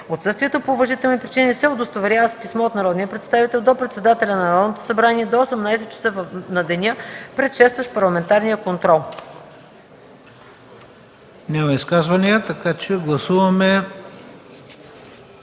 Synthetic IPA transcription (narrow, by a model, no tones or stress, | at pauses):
ot̪sɤst̪viɛt̪opoːvɐʒit̪ɛlˠnipɾit͡ʃinisɛod̪ost̪ovɛɾʲjavɐspismɔot̪nɐɾɔd̪nijəpɾɛt̪st̪avit̪ɛlˠd̪opɾɛt̪sɛd̪at̪ɛlʲɐnɐɾɔd̪not̪o̥sɐbɾaniɛd̪oosɛmnajsɛt̪̚t͡ʃɛ̥səvnɐd̪ɛnʲəpɾɛt̪ʃɛst̪vɐʃpɐɾlˠɐmɛnt̪aɾnijəkont̪ɾɔlˠ | nʲamɐiskazvɐniət̪ɐkat͡ʃɛɡlˠɐsuvɐmɛ